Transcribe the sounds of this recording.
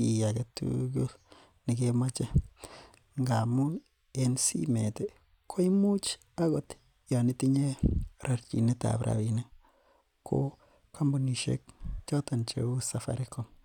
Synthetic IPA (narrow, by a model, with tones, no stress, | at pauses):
i˨ja˨ke˨tṵɡu˦l | ni˨kema˦t͡ʃe˦ | ŋɡa˨mu˦ | ensḭ˦me˨te˦ | kʰo˦i˦mu˦t͡ʃ | a˦ɡo˦t | ja˨ni˦ti˦ɲe˦rʔa˨ɾt͡ʃḭ˨ne˦ta̰pɾʔa̰˨βine˦ | kʰo̰˦ | ka˦mbo˦ni˨ʃḛ˦k̚t͡ʃɔ˦ta˨nt͡ʃḛ˨u˦sa˨fa̰˨ɾi˦ko˨m